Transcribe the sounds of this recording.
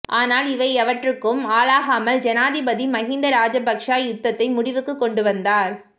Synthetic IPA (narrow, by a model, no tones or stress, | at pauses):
ʔaːnaːlɪʋɐɪɐʋɐʈrɯkːɯmaːlaːɣaːmɐld͡ʒɐnaːðɪbɐðimɐɣɪnd̪ɐɾaːd͡ʒɐbɐkʂaːjjʊt̪ːɐt̪ːɐɪmʊɽɪʋɯkːɯkːɔɳɖɯʋɐnd̪aːɾ